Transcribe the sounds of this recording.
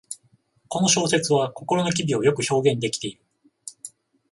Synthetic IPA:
ko̞no̞ɕo̞ːse̞t͡sɨβako̞ko̞ɾo̞no̞k̬ʲibʲio̞jo̞kɯ̟ço̞ːɡẽ̞nd̪e̞kʲi̥t̪e̞iɾɯ̟

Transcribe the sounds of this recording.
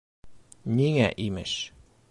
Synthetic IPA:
nʲiŋæʔimɘ̰ʃ

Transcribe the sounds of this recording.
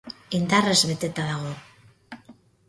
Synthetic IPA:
ind̪arezβe̞t̪e̞t̪aðaɣ̞o̞

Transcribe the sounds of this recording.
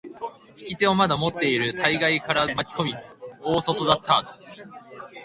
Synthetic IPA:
çi̥kʲit̪e̞o̞mad̪amo̞t̪ːe̞iɾɯ̟t̪ʰaiɡaikaɾamakʲi̥ko̞bʲio̞ːso̞t̪o̞d̪at̪ːa

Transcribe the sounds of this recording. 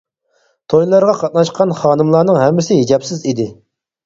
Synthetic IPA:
t̪ʰojlˠɑɾʁɑqʰɑt̪̚nɑʃqʰɑnχɑːnɨmlˠɑːnɨŋɦɛmːɪsɪɦid͡ʒɛpsɪzid̪ɪ

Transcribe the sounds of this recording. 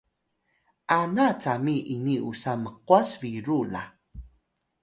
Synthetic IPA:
ʔanat͡samiʔiniʔusaməqwasviɾula̰

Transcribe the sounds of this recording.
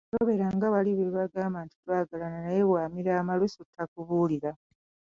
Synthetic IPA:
toβe̞ɾaŋɡaβaliβeβaɡaːmaːntu̥twaːɡalananajeβwaːmiɾaːmalusotʰːakuβuːliɾa

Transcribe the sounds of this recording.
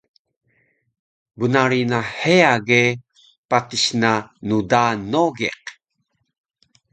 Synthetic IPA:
bunaɾinaħeaɡe | patiɕnanudanoɡeq

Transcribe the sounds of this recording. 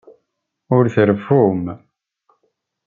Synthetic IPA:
ʊɾθəɾəfum

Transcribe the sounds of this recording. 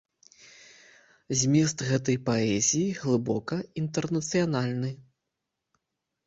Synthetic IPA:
zʲmʲist̪ɣɛt̪̬ɐjpaɛzʲijiɣlˠɨbɔkɐint̪ɛrnɐt̪sɨjanalʲnɨ

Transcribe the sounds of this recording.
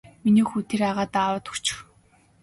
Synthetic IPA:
miniːxut̪ʰeɾaʁaːt̪awə̆ːt̪u̥kt͡ɕɪ̥̆w

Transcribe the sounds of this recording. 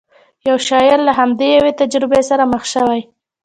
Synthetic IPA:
jawʃɑjɪɾlaɦamd̪ejawet̪ad͡ʒɾɪbesaɾaməxʃəwaj

